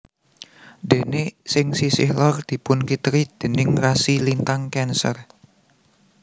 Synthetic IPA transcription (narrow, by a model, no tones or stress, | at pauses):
de̤nesɪŋsisɪ̰hlɔrd̪̥i̤pʊnkit̪ɾid̪̥ə̤nɪŋrasilint̪aŋkɛnsə̰r